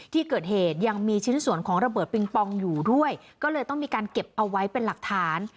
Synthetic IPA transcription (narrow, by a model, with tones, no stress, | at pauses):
t̪ʰiː˥˩kɤː˨˩t̪̚heː˨˩t̪̚ja˧ŋmiː˧t͡ɕʰi˦˥nsu˨˩˦ənkʰɔː˩˦ŋɾa˧bɤː˨˩t̪̚pi˧ŋpɔ˧ŋjuː˨˩du˥˩əj | kɔː˥˩lɤː˧jt̪ɔ˥˩ŋmiː˧kaː˧nke˨˩p̚ʔa˧wːa˦˥jpe˧nla˨˩k̚t̪ʰaː˨˦˥n